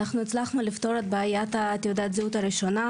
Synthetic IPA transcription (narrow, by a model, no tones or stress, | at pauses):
naχnuet͡slaχnulift̪o̞ɾet̪baːjat̪at̪eud̪at̪ziut̪aɾiʃo̞na